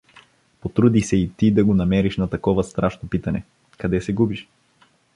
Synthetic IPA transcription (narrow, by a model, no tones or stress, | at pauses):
pot̪ɾud̪isɛit̪id̪ɐɡonɐmɛɾiʃnɐt̪ɐkɔvɐst̪ɾaʃnopit̪ɐnɛ | kɐd̪ɛsɛɡubiʃ